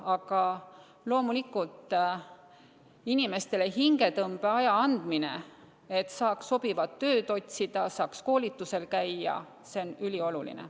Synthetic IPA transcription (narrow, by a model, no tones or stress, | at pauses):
ɑɡ̥ɑ | lo̞ːmulikult̪ˑ | inime̞st̪e̞leɦiŋɡe̞t̪ɤmb̥e̞ɑjɑɑnd̪̥mine̞̰ | et̪ːsɑːksːo̞b̥ivɑt̪ːø̞ːd̪o̞t̪ʲsid̪̥ɑsɑːksko̞ːlʲit̪ːˑuse̞lkæjːɑ̰ | seonylʲio̞lulḭnḛ